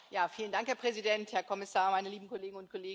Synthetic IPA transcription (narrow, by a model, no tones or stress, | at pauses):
jaːfiːləndaŋkhɛːɐpʁ̥ɛzidɛnthɛɐkʰɔmɪsaːɐmaɪnəliːbm̩kʰɔleːɡŋ̩ʊntkʰɔleːɡ